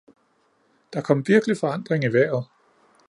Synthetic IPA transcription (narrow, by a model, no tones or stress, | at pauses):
d̥ɑ̈kʰɒ̽m̰ʋiɐɡ̥əlifɒ̽ɑ̈n̰d̥ʁeŋiʋæɐ̰ð̩ˠ